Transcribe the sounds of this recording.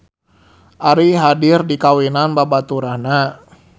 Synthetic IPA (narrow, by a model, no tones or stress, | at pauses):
ʔaɾiɦadirdikawinanbabat̪uɾahna